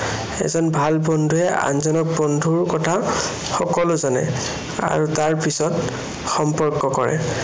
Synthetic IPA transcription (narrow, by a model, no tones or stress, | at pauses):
ɛ̰zɔnbʱalbɔndʱuɛa̰nzɔnɔk̚bɔndʱuɹkɔtʰa | xɔkɔlʊzanɛ̰ | a̰ɹutaɹpisɔt | xɔmpɔɹkːɔkɔɹɛ̰